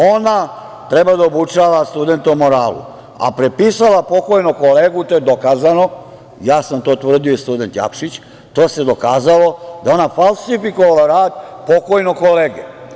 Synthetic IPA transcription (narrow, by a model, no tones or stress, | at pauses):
o̞na | t̪ɾe̞bad̪aobut͡ʃaʋast̪ud̪e̞nt̪eumo̞ɾaːlṵ | a̰pɾepisalapo̞ko̞jnoko̞leːɡut̪o̞jed̪o̞kaːzano̞ | jaːsamt̪o̞ːt̪ʋr̩d̪iost̪ud̪e̞nt̪ja̰pʃit͡ɕ | t̪o̞ːse̞d̪o̞kaːzalo̞d̪ao̞nafalˠsifikoʋalaɾaːd̪po̞ko̞jnoko̞leːɡḛ